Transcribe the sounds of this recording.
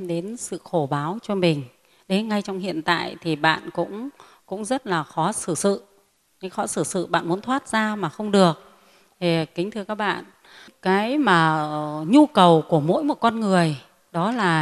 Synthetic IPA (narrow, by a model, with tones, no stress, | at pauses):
ɗe˨˦nsɨ̰˧˨xo˧˩ɓaː˨˦wt͡ɕɔ˧mï˨˩ŋ̟ | ɗe˨˦nŋa˧jt͡ɕɔ˧wŋ͡mhḭ˧˨ənt̪a̰ː˧˨jt̪ʰi˨˩ɓa̰ː˧˨nkʊ̰˧˥ŋ͡m | kʊ̰˧˥ŋ͡mzə˦˥t̚laː˨˩xɔ˨˦sɨ˧˩sɨ̰˧˨ | kaː˨˦jxɔ˨˦sɨ˧˩sɨ̰˧˨ɓa̰ː˧˨nmu˨˦ənt̪ʰwaː˦˥t̚z̥aː˧maː˨˩xə˧wŋ͡mɗɨ˨˩ək̚ | t̪e˨˩kï˨˦ŋ̟t̪ʰɨ˧əkaː˦˥k̚ɓa̰ː˧˨n | kaː˨˦jmaː˨˩ɲu˧kə˨˩wku˧˩əmo̰˧˥jmo˨˩t̚kɔ˧nŋɨ˨˩əj | ɗɔ˨˦laː˨˩